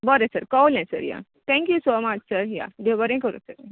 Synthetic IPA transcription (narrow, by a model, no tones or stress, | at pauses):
bəɾesəɾkawlɛ̃sə̰ɾja̰ | t̪ʰɛ̃ŋkjusoːmat͡ʃsəɾja̰d̪ebəɾẽkəɾṵsəɾ